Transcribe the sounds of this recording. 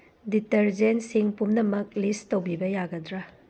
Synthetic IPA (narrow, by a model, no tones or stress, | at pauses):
diteɾd͡ʒensiŋpumnɐmɐk̚listowbibɐjaɡɐdɾa